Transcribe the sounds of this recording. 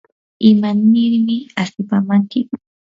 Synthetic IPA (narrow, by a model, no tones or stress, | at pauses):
ɪmanɪɾmɪasʊpamaŋkɪ